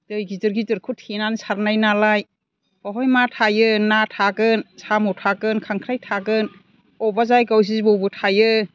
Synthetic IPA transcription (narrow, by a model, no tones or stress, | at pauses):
d̥ɯjɡizɯɾɡidɯɾkʰutʰinansaɾnajnalaj | ɔɦɔjmatʰajɯnatʰakɯnsamutʰakɯnkʰaŋkʰɾajtʰakɯn | ɔbazajkaws̬izbɔbɯtʰajɯ